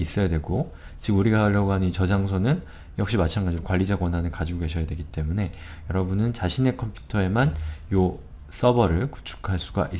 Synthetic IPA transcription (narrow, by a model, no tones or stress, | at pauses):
is͈ʌjadwe̞ɡo | t͡ɕiɡuɾiɡaaʎːʌɡoɦanɯnit͡ɕʌd͡ʑaŋsʰonɯn | jʌk̚ɕ͈imat͡ɕʰanɡad͡ʑiɾokwaʎːid͡ʑaɡwʌnɦanɯkad͡ʑiɡoɡe̞ɕʰʌjadwe̞ɡit͈e̞mune̞ | jʌɾʌbunɯnt͡ɕaɕʰine̞kʰʌmpʰju̥tʰʌe̞manjo | s͈ʌbʌɾɯɭku̥t͡ɕʰu̥kʰaɭs͈uɡa̰ʔi